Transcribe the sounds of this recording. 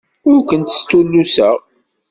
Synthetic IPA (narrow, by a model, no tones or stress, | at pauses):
ʊɾkʷənt̪ə̥st̪ulːusæʁ